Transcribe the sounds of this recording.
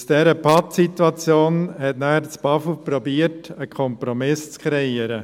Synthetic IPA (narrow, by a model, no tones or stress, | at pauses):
sd̥ɛːɾəpʰɑtsit̪wɑt͡sjoːnhɛtnæχəɾt͡sb̥ɑfʊpɾɔbiəɾtəkʰɔmpɾɔmɪst͡skʰɾɛiːəɾə